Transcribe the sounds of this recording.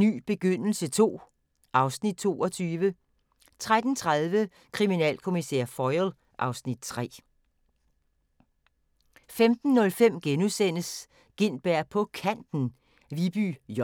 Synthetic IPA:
ny̰ːb̥e̝ɡ̥øn̰l̩sət͡sʰo̝̰ː | ʔɑ̈ʊsnid̥̚t͡sʰo̝̰ːɒt͡sʰyːʋə | t͡sʰʁad̥n̩t͡sʰʁaðˠʋə | kʰʁiminɛ̰ːlkʰo̝misḛɐ̰fɒɪl | ʔɑ̈ʊsnid̥̚t͡sʰʁɛ̰ː | femd̥n̩ːɔ̽lfem̰ɡ̥enusen̰əs | ɡ̥e̝n̰b̥æɐ̰pʰɒ̽kʰæn̰d̥n̩ | ʋib̥y̰ː

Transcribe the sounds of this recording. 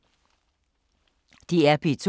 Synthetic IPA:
t̪iɛpʰit͡sʰu

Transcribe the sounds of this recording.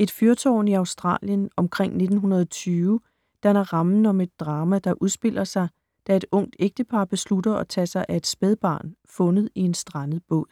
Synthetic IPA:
e̝d̥fyɐt͡sʰɒ̰ːniɑ̈ʊsd̥ʁɑ̰̈ːljənɒ̽mkʰʁeŋ̰ne̝d̥n̩ɦunɐð̞ˠɒ̽t͡sʰyːʊ | d̥ænɐʁɑ̈mn̩ɒ̽me̝d̥̚ːʁɑ̈ːmæd̥ɑ̈ʔuð̞ˠsb̥e̝l̰ɐsɑ̈ɪ | d̥æe̝d̥ɔ̽ŋ̰d̥eɡ̥̚d̥əpʰɑ̈ːb̥e̝sludɐɒ̽t͡sʰɛ̰sɑ̈ɪʔæe̝d̥sb̥eðˠb̥ɑ̰̈ːnfɔ̽nð̞ˠie̝nsd̥ʁɑnəð̩ˠb̥ɔ̰̽l

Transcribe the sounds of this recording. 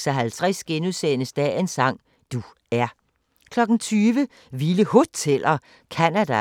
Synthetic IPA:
sɐɦælt͡sʰʁɛsɡ̥enuðˠsenəsd̥ɛ̰ensɑ̈ŋ̰ | d̥u | æɐ | kʰlɒ̽ɡ̥n̩t͡sʰyːʋə | ʋiləhot͡sʰelɐ | kʰænæd̥æ

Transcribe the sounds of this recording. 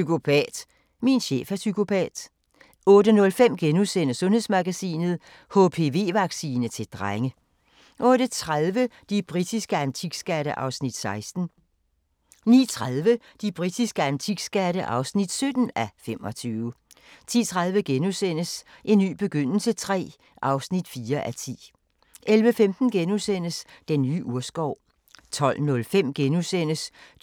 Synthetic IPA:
sykʰo̝pʰɛ̰ːd̥ | minɕḛːfæsykʰo̝pʰɛ̰ːd̥ | ɔ̽ːdənɔ̽lfem̰ɡ̥enusen̰əsɔ̽nhe̝ðˠsmɑ̈ɡ̥æsḭːnð̩ˠ | hopʰe̝ʋe̝̰ːʋɑ̈ɡ̥sḭːnət͡sʰe̝ld̥ʁaŋə | ʔɔ̽ɾ̥ət͡sʰʁaðˠʋəd̥ib̥ʁid̥isɡ̥əænt͡sʰiɡ̥sɡ̥æɾəʔɑ̈ʊsnid̥sɑ̈ɪsd̥n̩ | nḭːt͡sʰʁaðˠʋəd̥ib̥ʁid̥isɡ̥əænt͡sʰiɡ̥sɡ̥æɾəʔɑ̈ʊsnid̥sød̥n̩æfem̰ɒ̽t͡sʰyːʊə | t͡sʰḭːt͡sʰʁaðˠʋəɡ̥enusen̰əsʔe̝nːy̰ːb̥e̝ɡ̥øn̰l̩sət͡sʰʁɛ̰ː | ʔɑ̈ʊsnid̥fiːɐʔæt͡sʰḭː | ʔelʋəfemd̥n̩ɡ̥enusen̰əsd̥enːy̰ːʔuɐsɡ̥ɒʊ̰ | t͡sʰɒ̽l̰nɔ̽lfem̰ɡ̥enusen̰əs

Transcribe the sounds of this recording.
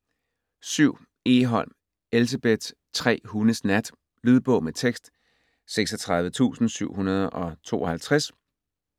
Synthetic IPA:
syʊ̰ | e̝ɦɒ̽l̰m | els̬eb̥ed̥ | t͡sʰʁɛ̰ːhunəsnæd̥ | lyðˠb̥ɔ̽ʊ̰met͡sʰeɡ̥sd̥ | seɡ̥sɒt͡sʰʁɑ̈ð̞ˠʋət͡sʰṵːsn̩syʊ̰hunɐð̞ˠɒ̽t͡sʰo̝̰ːɒ̽hælt͡sʰʁas

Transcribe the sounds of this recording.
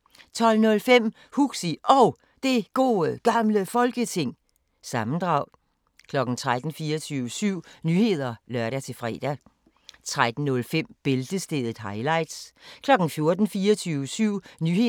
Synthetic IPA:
t͡sʰɒ̽l̰nɔ̽lfem̰ | huɡ̥siʔɒʊ | d̥e̝ɡ̥o̝̰ːɡ̥ɑ̈mləfɒ̽lɡ̥ət͡sʰe̝ŋ̰ | sɑ̈mn̩d̥ʁɑ̈ʊ | kʰlɒ̽ɡ̥n̩t͡sʰʁad̥n̩fiːɐt͡sʰyːʊəsyʊ̰nyːhe̝ð̞̰ˠɐlɶɐɾæt͡sʰe̝fʁɛ̰ːd̥æ | t͡sʰʁad̥n̩nɔ̽lfem̰b̥e̝ld̥əsd̥eðˠð̩ˠɦɑ̈ɪlɑ̈ɪd̥skʰlɒ̽ɡ̥n̩fjo̝ɐd̥n̩fiːɐt͡sʰyːʊəsyʊ̰nyhe

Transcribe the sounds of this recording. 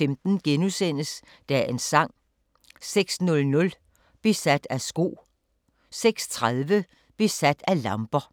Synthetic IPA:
femd̥n̩ɡ̥enusen̰əs | d̥æʔe̝nsɑ̈ŋ̰ | seɡ̥snɔ̽lnɔ̽l | b̥isæd̥æsɡ̥o̝̰ː | seɡ̥st͡sʰʁaðˠʋə | b̥isæd̥ælɑ̈mb̥ɐ

